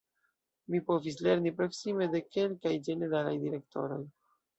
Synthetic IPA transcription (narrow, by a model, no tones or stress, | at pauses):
mipo̞visle̞ɾnipɾo̞ksime̞de̞ke̞lkajd͡ʒe̞ne̞ɾala̰jdiɾe̞k̚tʰo̞̰ɾo̞j